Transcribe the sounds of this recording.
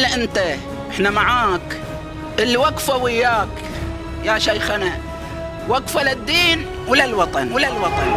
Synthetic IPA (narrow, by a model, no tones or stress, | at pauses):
lːʔɪnt̪a | ʔɪħnamaʕaːk | ʔɪlwaɡfawɪjːaːk | jaʃajxana | waɡfalɪd̪ːiːn | wɪlalwɑt̪ˤɑnwɪlalwɑt̪ˤɑn